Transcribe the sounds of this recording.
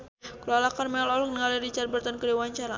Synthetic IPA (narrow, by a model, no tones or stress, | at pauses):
kəlalakarmɛlɔlk̚nəŋaliɾit͡ʃarbərt̪ankədewaɲt͡ʃaɾa̰